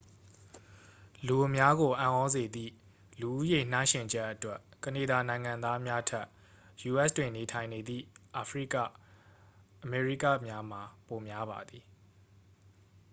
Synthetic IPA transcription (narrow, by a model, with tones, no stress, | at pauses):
lu˨ʔə˨mja˦ɣo˨ʔã̰˨ʔɔ˦ze˨d̪ḭ˦˨ | lu˨ʔu˦je˨n̥ã˦ʃɪ̃˨ɲd͡ʑɛ˦ʔətwɛ˦kə˨ne˨da˨nã˨ɪ̃ŋã˨nd̪a˦mja˦tʰɛ˦ʔ | ju˨ʔɛ˦stwɪ̃˨ne˨tʰã˨ɪ̃ne˨d̪ðḭ˦˨ʔa˨pʰɹi˦ka̰˦˨ | ʔəmɛ˨ɹi˦ka̰˦˨mja˦m̥a˨po˨mja˦βa̰˨d̪ði˨